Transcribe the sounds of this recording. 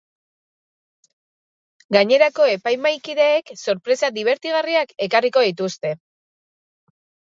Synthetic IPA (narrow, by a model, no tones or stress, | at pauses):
ɡaɲe̞ɾako̞e̞pajmajkiðe̞ːkso̞ɾpɾe̞sad̪iβ̞e̞ɾt̪iɣ̞ariake̞kariko̞ðit̪̬ust̪e̞